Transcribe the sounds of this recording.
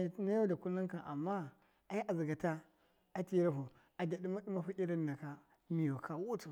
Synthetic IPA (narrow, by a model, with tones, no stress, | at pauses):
na˦ja˦da˨ku˦la˦ŋka˨nʔa̰˨mːa˦ | a˨˦ji˦ʔa˨zi˨ɡa˨ta˦ | a˨ti˦ɾa˦ɦu˨ | a˨da˨di˦ma˦ɗu˦ma˦ɸu˦i˦ɾa˦nːa˨ka˦ | mi˨jo˨ka˦wu˦tu˨